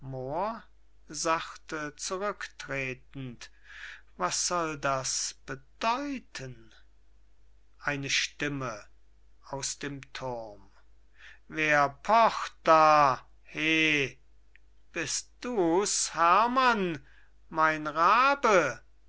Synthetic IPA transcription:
moːɐ | zaxtət͡suʁʏktʁ̥eːtn̩t | vasz̥ɔldasb̥əd̥ɔʏtʰən | ʔaɪnəʃtɪmə | aʊsd̥eːmtʰʊʁm | veːɐpʰɔχt̚d̥aː | heː | b̥ɪst̚d̥uːshæɐman | maɪnʁaːbə

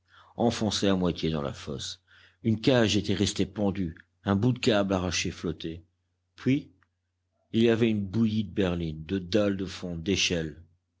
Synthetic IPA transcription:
ɑ̃fɔ̃seamwat̪jed̪ɑ̰̃la̰fɔ̰s | ynkʲaʒet̪ɛʁɛst̪epɑ̃d̪y | ɛ̃bud̪əkʲablaʁaʃeflɔt̪e | pɥi | iliavɛynbujid̪əbɛʁlind̪əd̪ald̪əfɔ̃d̪eʃɛl

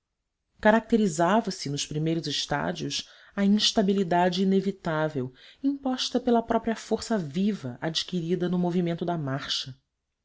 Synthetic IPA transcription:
kaɾak̚t̪eɾizavɐsɪnʊspɾimejɾʊzɪʃt̪a̰d͡ʒiʊs | ɐĩʃt̪abilid̪ad͡ʒiinevit̪avewĩpɔʃt̪ɐpelɐpɾɔpɾiɐfoɾsɐvivɐʔad͡ʒikiɾid̪ɐnʊmovimẽnt̪ʊd̪ɐmaɾʃɐ

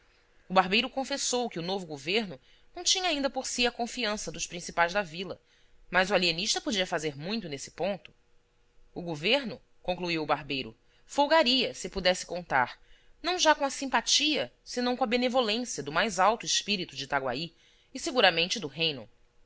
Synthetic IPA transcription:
ʊbaɦbejɾʊkõfesowkɪʊnovʊɡoveɾnʊ | nɐ̃w̃t͡ʃĩɲɐaːĩnd̪ɐpoɾsiɐkõfiɐ̃sɐd̪ʊʃpɾĩsipajzd̪ɐvilɐ | mɐzʊalieniʃt̪ɐpod͡ʒiɐfazeɾmũj̃t̪ʊnesɪ̥põnt̪ʊ̥ː | ɡoveɾnʊ | kõŋkluiwʊbaɦbejɾʊ̰ | fowɡaɾiɐsɪpud̪ɛsɪ̥kõnt̪a̰ɾnɐ̃w̃ʒakõɐsĩmpat͡ʃiɐsɪnɐ̃w̃kõɐbenevolẽsjɐd̪ʊmajzawt̪ʊɪʃpiɾit̪ʊd͡ʒɪt̪aɡwa̰iː | seɡuɾamẽnt͡ʃɪd̪ʊɦejnʊ̰

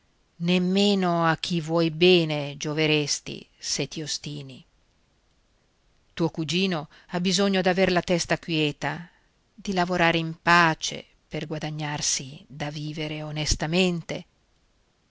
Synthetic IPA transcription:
nemːeːnoak̟ʰːivwɔjbɛːned͡ʒoveɾest̪ḭset̪iost̪iːni | t̪uːokud͡ʒiːno | abizoɲːod̪averlat̪ɛst̪akwjɛːt̪a | d̪ilavoɾaːɾeimpaːt͡ʃḛ | perɡwad̪aɲːarsid̪aviːveɾeonest̪ament̪e

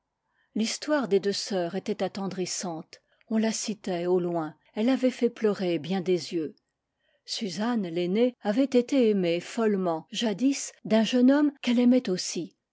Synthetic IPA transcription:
list̪waʁd̪ed̪øsœːʁet̪ɛt̪at̪ɑ̃d̪ʁisɑ̃t̪ | ɔ̃lasit̪ɛolwɛ̃ | ɛlavɛfɛplœʁebjɛ̃d̪ezjø | syzanleneavɛt̪et̪eemefɔlmɑ̃ʒad̪isd̪ɛ̃ʒənɔmkɛlɛmɛt̪osi

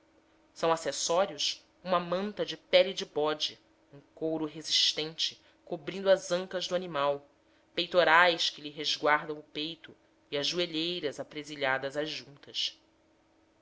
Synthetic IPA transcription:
sɐ̃w̃asesɔɾiʊs | ũmɐmɐ̃nt̪ɐd͡ʒɪpɛlid͡ʒɪbɔd͡ʒɪ | ũkowɾʊɦeziʃt̪ẽnt͡ʃɪ̥ | kobɾĩnd̪uɐzɐ̃ŋkɐzd̪ʊanimaw | pejt̪oɾajskɪlɪɦezɡwaɾd̪ɐ̃w̃ʊpejt̪ʊ | iɐʒːueʎejɾɐzapɾeziʎad̪ɐzɐzːũnt̪ɐʃ

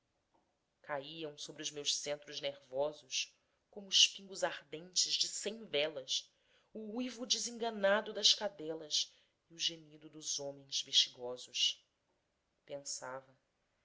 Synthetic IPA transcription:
kaiɐ̃w̃sobɾiʊzmewʃsẽnt̪ɾʊzneɾvɔzʊʃ | kõmʊːʃpĩŋɡʊzaɾd̪ẽnt͡ʃɪʒd͡ʒɪsẽj̃vɛlɐs | uujvud͡ʒɪzĩŋɡɐnad̪ʊd̪ɐʃkad̪ɛlɐs | iʊʒemid̪ʊd̪ʊzõmẽj̃z̥veʃt͡ʃiɡɔzʊʃ | pẽsavɐ

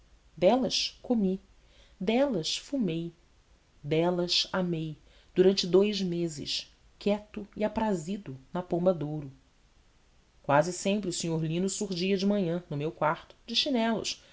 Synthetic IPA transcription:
d̪ɛlɐʃkomi | d̪ɛlɐʃfumej | d̪ɛlɐʃamej | d̪̥uɾɐ̃nt͡ʃɪd̪ojzmezɪ̰ʃ | kɛt̪ʊiapɾazid̪ʊnɐpõbɐd̪owɾʊ | kwazɪsẽmpɾɪusiɲoɾlĩnʊsuɾʒiɐd͡ʒɪmɐ̃ɲɐ̃nʊmewkwaɾt̪ʊ̥d͡ʒɪʃinɛlʊ̰ʃ

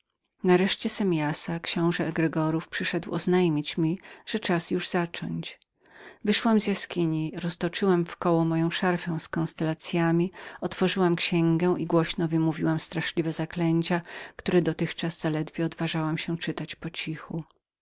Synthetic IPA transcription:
naɾɛʂt͡ɕɛsɛmʲjasakɕɔ̃w̃ʐɛːɡɾɛɡɔɾufpʂɘʂɛd̪wɔznajmʲit͡ɕmʲiʐ̥ɛt͡ʂasjuʐzat͡ʂɔ̰ɲt͡ɕ | vɘʂwamzʲjaskʲiɲiɾɔst̪ɔt͡ʂɘwamfkɔwɔmɔjɔ̃w̃ʂaɾfɛ̃w̃skɔ̃nst̪ɛlat̪sʲjamʲiɔt̪fɔʐɘwamkɕɛŋɡɛʔiɡwɔɕnɔvɘmuvʲiwamst̪ɾaʂlʲivɛzaklɛɲt͡ɕakt̪uɾɛd̪ɔt̪ɘxt͡ʂazz̥alɛd̪vʲjɛɔd̪vaʐawamɕɛt͡ʂɘt̪at͡ɕpɔt͡ɕixu

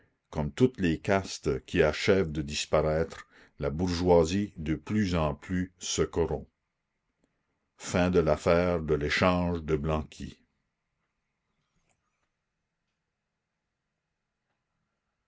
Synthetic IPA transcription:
kɔmt̪ut̪lekast̪kʲʰiaʃɛvd̪əd̪ispaʁɛːt̪ʁ | labuʁʒwazid̪əplyzɑ̃plysəkɔʁɔ̃ | fɛ̃d̪əlafɛːʁd̪əleʃɑ̃ːʒd̪əblɑ̃ːkʲʰḭ

